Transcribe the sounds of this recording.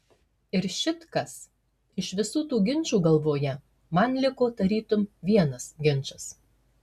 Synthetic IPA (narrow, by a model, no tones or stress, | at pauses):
ɪɾʃʲɪt̪kɐs | ɪʃʋʲɪsuːt̪uːɡʲɪnʲˑt͡ʃuːɡɐlˠʋoːjɛ | mɐnlʲɪkoːd̪ɐɾʲiːt̪ʊmʋʲiɛnɐsɡʲɪnʲˑt͡ʃɐs